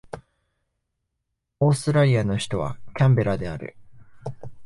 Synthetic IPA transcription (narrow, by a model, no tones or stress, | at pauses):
o̞ːst̪ɨɾaɾʲiano̞çi̥t̪o̞β̞a̰kʲãmbe̞ɾad̪e̞aɾɯ̟̰